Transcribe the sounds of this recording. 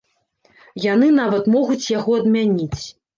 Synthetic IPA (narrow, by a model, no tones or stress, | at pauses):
jan̪ɨnavɐt̪mɔɣut͡sʲjaɣɔɐd̪mʲanʲit͡sʲ